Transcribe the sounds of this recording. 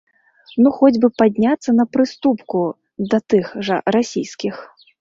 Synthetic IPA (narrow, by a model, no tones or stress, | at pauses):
nuxɔd͡zʲbɨpad̪ʲnʲat̪sːɐnɐpɾɨst̪upku | d̪ɐt̪ɨxʐɐ̰ɾasʲijskʲix